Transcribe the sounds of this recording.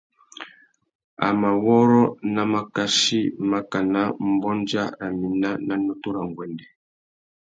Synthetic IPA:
a̰˨ma˨wɔ˦ɾɔ˦na˦ma˨ka˦ʃi˦ma˦ka˨na˦m̩˦bɔ˦nd͡ʒa˦ɾa˨mi˨na˦na˦nɔ˦tu˦ɾa˨ŋ˨ɡwɛ˨ndɛ˨

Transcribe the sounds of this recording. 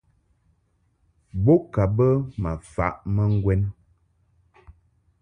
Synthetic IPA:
bo˦ka˨bə˦ma˨fa̰˨ʔmə˦ŋ̩˦ɡwɛ˦n

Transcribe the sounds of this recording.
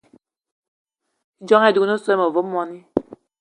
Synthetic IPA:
d͡ʒɔ˦ŋɛ˦˨du˨˦no˦sɔ˦mo˨vo˦mɔ˦ni˦

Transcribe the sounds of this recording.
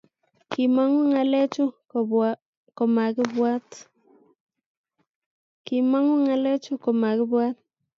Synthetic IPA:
kɪ˨ma˦ŋɔ˦ŋa˨lɛ˦t͡ʃʊ˦ | kɔ˨ma˨ɡɪ˦bwa˦t̪ | kɪ˨ma˦ŋɔ˦ŋa˨lɛ˦t͡ʃʊ˦kɔ˨ma˨ɡɪ˦bwa˦t̪̚

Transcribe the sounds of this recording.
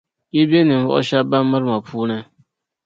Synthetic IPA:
je˦bi˦e˦nɪ̃˨m̩˨vɔ̰˦ʔɔ̰˦ɕa˦ba˦mː˦a˦ɾmã˨pʰu˦nã˦

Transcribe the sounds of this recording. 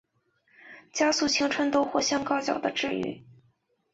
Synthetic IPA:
t͡ɕja˥su˥˩t͡ɕʰi˧˥ŋʈ͡ʂʰwə˥nt̪o˥ʊxwɔ˥˩ɕjɑ˥ŋkɑ˥ʊt͡ɕjɑ̰˨˩ʊd̪ə˦ʈ͡ʂɻ̩˥˧y̰˥˩

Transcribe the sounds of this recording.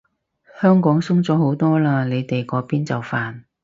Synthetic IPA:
hœː˥ŋkɔː˨˥ŋsʊ˥ŋt͡sɔː˨˥ho˨˥wt̪ɔː˥laː˧le˨˧jt̪e˨jkɔː˨˥piː˥nt͡sɐ˨wfaː˨n

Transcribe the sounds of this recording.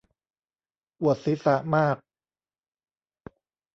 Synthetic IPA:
ʔu˨˩ət̪̚si˨˦˥sa˧˦ʔmaː˥˩k̚

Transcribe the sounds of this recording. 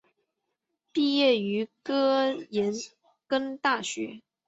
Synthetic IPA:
pi˥˧jɛ˥˩y˧˥kɤ˥jɛ˧˥n | kə˥ŋt̪a˥˩ɕɥɛ̰˧˥

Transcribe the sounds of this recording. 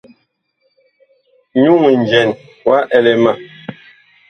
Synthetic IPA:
ɲu˦ŋi˨n˨d͡ʒɛ˨n | wa˦ʔɛ˨lɛ˨ma˨

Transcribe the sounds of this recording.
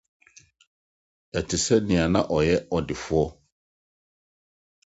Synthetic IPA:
ɛ˨tʰɪ˨sɛ˦nɪ̃˨a˨nã˦ʔɔ˨jɛ˦ɔ˨dɪ˨fʊ˦ɔ˦

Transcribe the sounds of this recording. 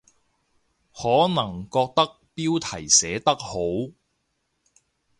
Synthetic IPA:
hɔː˨˥nɐ˨˩ŋkɔː˧k̚t̪ɐ˥k̚piː˥wt̪ʰɐ˨˩jsɛː˨˥t̪ɐ˥k̚ho˨˥w

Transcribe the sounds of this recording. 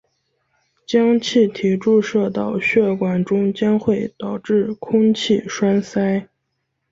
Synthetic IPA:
t͡ɕjɑ˥ŋt͡ɕʰi˥˩t̪ʰi˧˥ʈ͡ʂu˥˧ʂɤ˥˩t̪ɑ˨˩ʊɕɥɛ˥˩kwa˨˩nʈ͡ʂʊ˥ŋt͡ɕjɑ˥ŋxwe˥˩ɪt̪ɑ˨˩ʊʈ͡ʂɻ̩˥˩kʰʊ˥ŋt͡ɕʰi˥˩ʂwa˥nsa˥ɪ

